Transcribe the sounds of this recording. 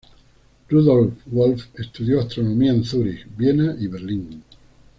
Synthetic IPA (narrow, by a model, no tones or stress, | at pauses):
ruðolfwolfest̪uðjoast̪ɾonõmiaenθuɾixbjenaʔiβeɾliŋ